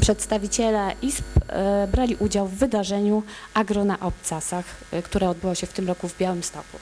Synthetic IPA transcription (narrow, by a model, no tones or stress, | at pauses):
pʂɛt̪st̪avʲit͡ɕɛlɛʔispbɾalʲiʔud͡ʑawvːɘd̪aʐɛɲuʔaɡɾɔnaʔɔp̚t̪sasaxkt̪uɾɛɔd̪̚bɘwɔɕɛft̪ɘmɾɔkuvbʲjawɘmst̪ɔkṵ